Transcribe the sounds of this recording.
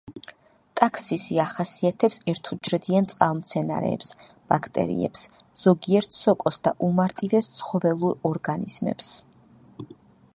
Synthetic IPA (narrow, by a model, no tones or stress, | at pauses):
t̪ʼakʰsisiaχasiat̪ʰɛpsɛɾt̪ʰud͡ʒɾɛd̪iant̪sʼqʼalˠmt̪sʰɛna̰ɾɛ̰ːps | b̥akʰt̪ʼɛ̰ɾḭɛ̰ps | z̥ɔɡiɛɾt̪ʰsɔkʼɔsd̪aʔumaɾt̪ʼivɛst̪sʰχɔvɛlˠuɾɔɾɡanḭz̥mɛ̰ps